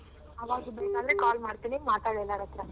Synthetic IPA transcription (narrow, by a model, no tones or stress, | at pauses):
ɐʋaːɡ̪ubeːkaːd̪ɐɾekaːlmaːɽt̪iːnimaːʈ̪aːɽɛlːaːɽɐt̪ːɾa